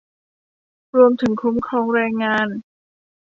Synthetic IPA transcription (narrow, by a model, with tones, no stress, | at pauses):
ɾu˧əmt̪ʰɯ˩˦ŋkʰu˧˦˥mkʰɾɔː˧˩ŋɾɛː˧ŋːaː˧˥n